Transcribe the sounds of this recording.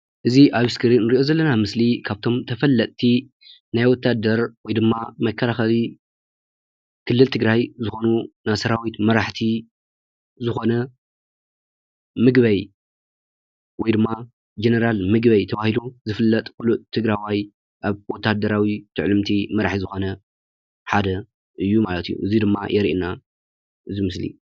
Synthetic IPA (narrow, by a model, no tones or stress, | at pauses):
ʔɨziʔaβɨskʰɨɾinɨɾiʔo̞zɐlːɐnamɨslikʰaβt̪ʰo̞mt̪ʰɐfɐlːɐt̪ʼt̪ʰi | najwɔt̪ʰːad̪ɐɾwɔjd̪ɨmːamɐkʰːɐlaxɐli | kʰɨlːɨlt̪ʰɨɡɾajzɨxo̞nunasɐɾawit̪mɐɾaħt̪ʰi | zɨxo̞nɐ | mɨɡβɐj | wɔjd̪ɨmːa | d͡ʒenɐɾalmɨɡbɐjt̪ʰɐβahiluzɨfɨlːɐt̪ʼkulut̪t̪ʰːɨɡɾajwaj | ʔaβwɔt̪ʰːahd̪ɐɾawit̪ʰɨʕlɨmt̪ʰimɐɾaħizɨxo̞nɐ | ħad̪ɐ | ʔɨjːumalɐt̪ɨjːṵʔɨzid̪ɨmːajʔɛɾiʔna | ʔɨzimɨslḭ